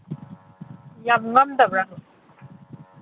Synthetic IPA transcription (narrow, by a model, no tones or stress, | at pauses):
jamŋɐmd̪ɐbɾaŋ